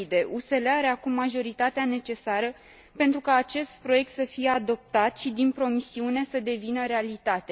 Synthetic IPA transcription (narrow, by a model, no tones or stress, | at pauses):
d̪e̞ʔuse̞leaɾe̞akumːaʒo̞ɾit̪at̪eane̞t͡ʃe̞saɾə | pe̞nt̪ɾukaːt͡ʃe̞st̪pɾo̞je̞k̚t̪səfije̞ad̪o̞p̚t̪at̪ʃid̪inpɾo̞misiune̞səd̪e̞vinəɾe̞alit̪at̪e̞